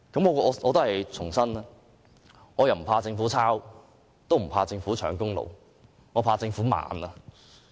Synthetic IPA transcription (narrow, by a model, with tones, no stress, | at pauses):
kɐ˨˥mŋɔː˨˧kɔː˨˧ʔɔː˨˧t̪o˥hɐ˨jt͡sʰʊ˨˩ŋsɐ˥nɛ˥ | ŋɔː˨˧jɐ˨˩wm̩˨˩pʰaː˧t͡sɪ˧ŋfuː˨˥t͡sʰaː˥w | t̪o˥wm̩˨˩pʰaː˧t͡sɪ˧ŋfuː˨˥t͡ʃʰœ̰ː˨˩ŋkʊ˥ŋlo̰˨w | ŋɔː˨˧pʰaː˧t͡sɪ˧ŋfuː˨˥ma̰ː˨˧nɐː˧